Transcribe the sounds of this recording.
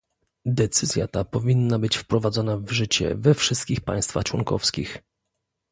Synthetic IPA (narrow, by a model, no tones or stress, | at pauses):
d̪ɛt̪sɘzʲja̰t̪apɔvʲinːabɘt͡ɕfpɾɔvad̪zɔnavʐɘt͡ɕɛ̰vɛfʂɘst̪̚kʲixpa̰j̃st̪fa̰xt͡ʂwɔŋkɔ̰fskʲix